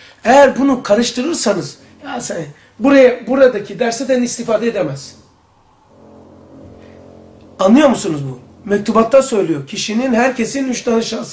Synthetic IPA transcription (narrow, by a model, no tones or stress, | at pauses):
ejæɾbunukʰaɾɯʃt̪ʰɯɾɯɾsanɯz | jasɛn | buɾajabuɾad̪acʰid̪æɾsɛt̪ʰænist̪ifaːd̪eed̪emɛz̥ | anlˠɯjo̞ɾmusunuzbumɛc̚t̪ʰubat̪ːasø̞jlʲijocʰiʃininɦæɾcʰe̞sinyʃt̪anɯʃas